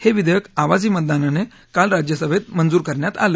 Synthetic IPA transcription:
heʋid̪jəkaʋad͡ziːmət̪̚d̪anane | kalɾad͡ʑjəsəbʱet̪̚mənd͡zuːɾkəɾɳjat̪a̰ləː

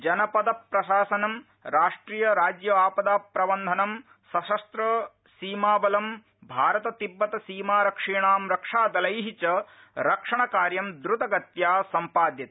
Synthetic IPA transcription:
d͡ʒɐnɐpɐd̪ɐpɾɐʃaːsɐnɐm | ɾaːʂʈɾiːjɐɾaːd͡ʒjɐʋaːpɐd̪aːpɾɐʋɐnd̪ʱɐnɐm | sɐʃɐst̪ɾɐ | siːmaːbɐlɐm | bʱaːɾɐt̪ɐt̪ibːɐt̪ɐsiːmaːɾɐkʂiːɳaːmɾɐkʂaːd̪ɐlɐjɦit͡ʃɐ | ɾɐkʂɐɳɐkaːɾjɐmd̪ɾut̪ɐɡɐt̪jaːsɐmpaːd̪jɐt̪ɐ

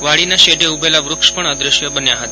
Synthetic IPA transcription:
ʋaɭinaʃeʈeubelaʋɾʊkʃpəɳəd̪ɾɪʃjəbənjaɦət̪a

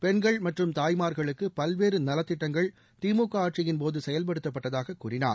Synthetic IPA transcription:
pɛnɡɐɭmɐʈrɯmt̪aːjmaːɾɣɐɭɯkːɯpɐlʋeːɾɯnɐlɐt̪ːɪʈːɐŋɡɐɭ | t̪iːmuːkːɐaːʈ̚t͡ʃɪjɪnp̬oːðɯsɛjɐlp̬ɐɽɯt̪ːɐpːɐʈːɐðaːɣɐkːuːrɪna̰ːɾ

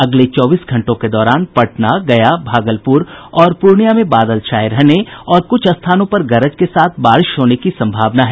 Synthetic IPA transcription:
ɐɡlet͡ʃɔːbiːsɡʱɐ̃ɳʈõked̪ɔːɾaːnpɐʈnaɡɐjabʱaːɡəlpʊɾɔːɾpʊɾɳijamẽbaːd̪əlt͡ʃaːjɾɛɦneɔːɾkʊt͡ʃʰɐst̪ʰaːnõpɐɾɡɐɾəd͡ʒkesaːt̪ʰbaːɾɪʃɦoːnekisɐ̃mbʱaːʋnaɦɛː

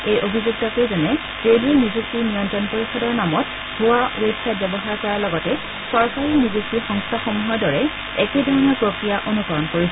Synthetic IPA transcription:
ejʔobʱizuk̚takojzɛnɛ | zejluɛnizuk̚tinijɔntɹɔnpoɹisɔdɔɹnamɔt | ɡʱʊwaʔuɹejtʰːat̚bɛbɔɦaɹkɔɹalɔɡɔtɛ | sɔɹkaɹinizuktixɔŋstʰaxomuɦɔjdɔɹɛ | ɛkedʱɔɹɔnɔɹpɹokɹijaʔonukɔɹɔnkoɹisɛ

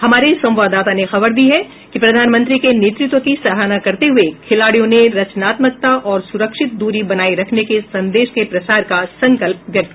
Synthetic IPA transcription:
hɐmaːɾesɐ̃m̃ʋaːd̪aːt̪anexɐbəɾd̪iɦɛ | kipɾɐd̪ʱaːnmə̃nt̪ɾikeneːt̪ɾɪt̪wəkisɐɦaːnakɐɾt̪eɦʊekʰɪlaːɽijõneɾɐt͡ʃnaːt̪mək̚t̪aʔɔːɾsʊɾəkʃɪt̪̚d̪uːɾibɐnaːiɾɐkʰnekesɐ̃nd̪eːʃkepɾɐsaːɾkasɐ̃ŋkəlp̚ʋjɐk̚t̪ː

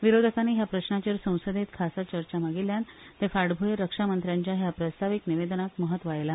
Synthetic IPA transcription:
ʋiɾod̪ʱəkaniːɦjapɾəɕnat͡ɕiːɾsə̃w̃səd̪ʱet̪kʰasat͡ɕəɾt͡ɕaməɡiljant̪efaɽbʱujeɾəkʂamənt̪ɾjaɲt͡ɕjaɦjapɾəst̪ʰaʋikniʋed̪ənak̪məɦət̪ːʋajla

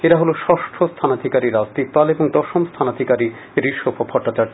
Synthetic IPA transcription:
eɾaɦoloʃɔʃʈʰost̪ʰanad̪ʱikaɾiɾazt̪ipaleboŋd̪ɔʃomst̪ʰanad̪ʱikaɾi | ɾiʃobʰʱobʱɔʈːat͡ɕaɾ

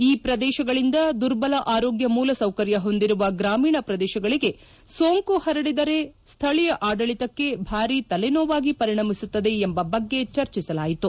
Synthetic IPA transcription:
iːpɾɐd̪ɛːʃɐɡɐɭind̪ɐd̪uɾbɐlɐʔaːɾo̞ːɡjɐmuːlɐsɐwkɐɾjɐɦo̞nd̪iɾuʋɐɡɾaːmiːɳɐpɾɐd̪ɛːʃɐɡɐɭiɡe̞ | soːŋkuhɐɾɐɽid̪ɐɾe̞st̪ʰɐɭijɐʔaːɖɐɭit̪ɐkːe̞bʱaːɾit̪ɐlɛnoːʋaːɡipɐɾiɳɐmisut̪ːɐd̪e̞ːmbɐbɐɡːe̞t͡ʃɐɾt͡ʃisɐlaːjit̪u

